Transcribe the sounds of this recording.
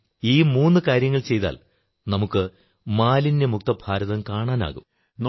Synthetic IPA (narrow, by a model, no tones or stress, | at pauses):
iːmuːnːɨkaːɾjɐŋːɐɭt͡ɕe̞jt̪a̰ːl | nɐmukːɨ | maːlindemuk̚t̪ɐbʱaːɾɐðɐmkaːɳaːna̰ːɣum | n